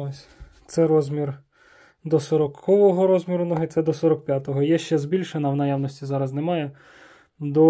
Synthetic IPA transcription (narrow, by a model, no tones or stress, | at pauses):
sʲ | t̪sɛɾɔzʲmʲir | d̪ɔsɔɾɔkʰːɔʋɔɦɔɾɔzʲmʲiɾʊnɔɦɪt̪sɛd̪ɔsɔɾɔk̚pʲjat̪ɔɦɔjɛʃt͡ʃɛzbʲilʲʃenɐwnɐjawnɔsʲtʲizɑɾɐznɛmɑjɛ | d̪ɔ